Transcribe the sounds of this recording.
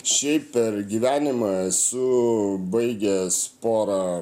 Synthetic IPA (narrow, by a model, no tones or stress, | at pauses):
ʃʲɛɪpʲpʲɛɾɡʲiʋʲæːnʲɪmɐɛsʊbɐɪɡʲɛspoːɾɐ